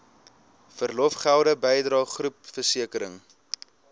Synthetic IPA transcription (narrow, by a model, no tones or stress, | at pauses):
fərlɔfχælˠdəbɛjdrɑːχrupfərsiəkəɾə̰ŋ